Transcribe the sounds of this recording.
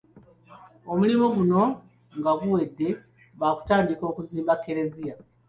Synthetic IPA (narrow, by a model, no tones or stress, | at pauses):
o̞mulimuɡuno̞ | ŋɡaɡuwe̞dːe̞ | βaku̥taːndiko̞ːkuziːmbakːe̞ɾe̞zija